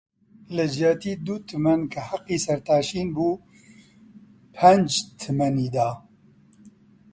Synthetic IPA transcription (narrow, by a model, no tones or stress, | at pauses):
lɨd͡ʒaːt̪iːd̪ut̪ʰɨmɐnkʰɐhaqːiːsɐɾt̪aːʃiːnbuː | pʰɛnd͡ʒt̪ʰɨmɐniːd̪aː